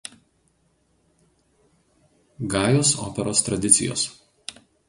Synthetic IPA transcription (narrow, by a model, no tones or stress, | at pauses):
ɡɑːjoːso̰ːpʲɛɾoːst̪ɾɐd̪ʲɪt̪sʲɪjo̰ːs